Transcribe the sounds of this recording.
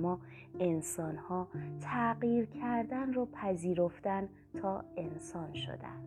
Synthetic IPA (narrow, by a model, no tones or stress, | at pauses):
mɒː | e̞nsɒnhɒːt̪ʰæɢiːɾcʰæɾd̪ænrɒːpʰæziːɾoft̪æn | t̪ʰɒːe̞nsɒːnʃo̰d̪æ̰nd̪̥